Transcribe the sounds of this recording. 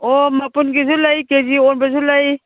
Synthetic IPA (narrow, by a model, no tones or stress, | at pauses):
ɔmapunɡizulajkeziɔnbazulaj